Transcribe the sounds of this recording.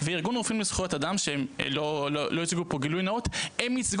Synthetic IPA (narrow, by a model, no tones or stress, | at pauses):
veiʁɡunʁofinmisχjot̪adamʃeem̰lololoit͡siɡupo̞ɡilujnaot̪emit͡sɡ